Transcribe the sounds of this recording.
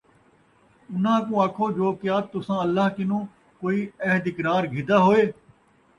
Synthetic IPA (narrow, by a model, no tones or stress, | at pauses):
ʊn̤ãːkũːaːkʰoːd͡ʒoːkɪjaːt̪ʊsãːəlːaːɦkɪnũː | koːiːɛɦd̪ɪkɾaːɾɡʱɪd̪aːɦoːeː